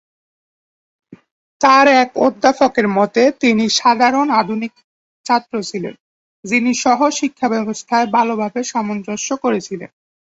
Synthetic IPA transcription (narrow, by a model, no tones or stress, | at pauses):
t̪aɾɛkod̪ʱːafokeɾmɔt̪et̪iniʃad̪ʱaɾonad̪ʱunik | t͡ɕat̪ːɾot͡ɕʰilḛn | d͡ʑiniʃɔɦoʃikʰːabɛbost̪ʰaebʱalobʱabeʃamonɾoʃokoɾet͡ɕʰilḛn